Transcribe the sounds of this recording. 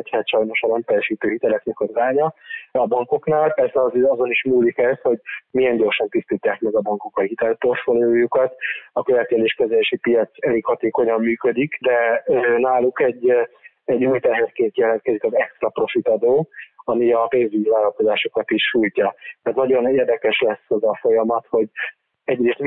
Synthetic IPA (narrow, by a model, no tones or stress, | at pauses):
ɛchɛt̪ʃɒjno̞ʃɒnɛmpɛjɛʃiːt̪øːɦit̪ɛlɛknɛkɒzɡaːɲɒɒbɒŋko̞knaːlpɛrsɛɒzɒzo̞niʃmuːlikɛsho̞ɟmiɛnɟo̞rʃɒnt̪ist̪iːt̪ːaːkmɛɡɒbɒŋkokɒhit̪ɛlpo̞rt̪folioːjukɒt̪ɒkøvɛt̪ːɛleːʃkɛzɛleːʃipijɒt̪sɛlekhɒt̪eːko̞ɲɒmːyːkød̪ikd̪ɛønaːlːukɛɟː | ɛɟːuːjt̪ɛɦɛrkeːnt̪jɛlɛnt̪kɛzikɒzɛkst̪rɒpro̞fit̪ɒd̪oːɒmiɒpeːnzivaːlɒlko̞zaːʃo̞kɒt̪iʃʃuːjcɒt̪ɛrt̪nɒɟo̞neːrd̪ɛkɛʃlɛsːɛzɒfo̞jɒmɒt̪ho̞ɟ | ɛɟreːst̪m